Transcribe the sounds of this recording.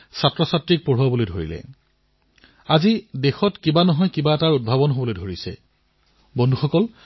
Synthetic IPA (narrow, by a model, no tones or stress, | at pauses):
satɹɔsatɹik̚poɹ̤uwabolojdʱoɹḭlɛ̰ | azidexɔtkibanɔɦɔjkibaɛtaɹud̚bʱabɔnɦobɔlojdʱoɹisɛ̰ | bɔndʱuxɔkɔl